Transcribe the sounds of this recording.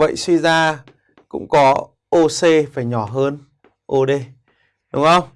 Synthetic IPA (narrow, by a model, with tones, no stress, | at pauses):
və̰˧˨jswi˧zaː˧ | kʊ̰˧˥ŋ͡mkɔ˨˦ | ʔo˧se˧faː˨˩jɲɔ˨˧˩ɦəː˧n | ʔo˧ɗe˧ | ɗʊ˨˦ŋ͡mxə˧wŋ͡m